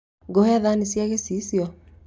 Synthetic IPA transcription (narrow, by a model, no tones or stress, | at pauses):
ɡohaðanisjaɣesisjɔ